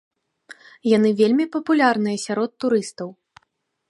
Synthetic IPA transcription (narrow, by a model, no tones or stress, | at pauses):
janɨvʲelʲmʲipɐpulʲarnɨjɐsʲaɾɔt̪ːuɾɨst̪ɐw